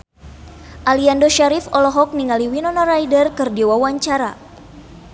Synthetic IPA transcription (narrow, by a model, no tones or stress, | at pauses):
ʔaliandoʃaɾifɔlɔɦɔk̚niŋaliwinɔnɔɾajdərkɨrdiwawaɲt͡ʃaɾa